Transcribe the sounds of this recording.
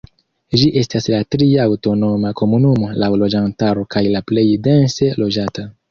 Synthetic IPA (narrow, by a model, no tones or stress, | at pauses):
d͡ʒiʔe̞staslatɾiaːwto̞no̞mako̞munumo̞lawlo̞d͡ʒantaɾo̞kajlaple̞jde̞nse̞lo̞d͡ʒata